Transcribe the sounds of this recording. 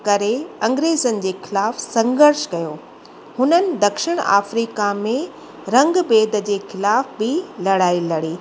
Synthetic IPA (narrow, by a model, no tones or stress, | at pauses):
kɐɾeɐ̃ŋɡɾeːzənɪ̆d͡ʑeːxɪlaːfsɐ̃ŋɡəɾʃkɐjoː | hʊnənɪ̆d̪ɐkʃɪɽ̃a̰ːfɾiːkamẽ | ɾɐ̃ŋɡbeːd̪əd͡ʑeːxɪlaːfbɪlɐɽaːilɐɽiː